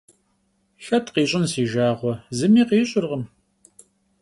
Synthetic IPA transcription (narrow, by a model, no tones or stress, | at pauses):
ɬɐtʰqiːɕʼɪnsiːʒaːʁʷɔzɨmiːqiːɕʼɪrʁəm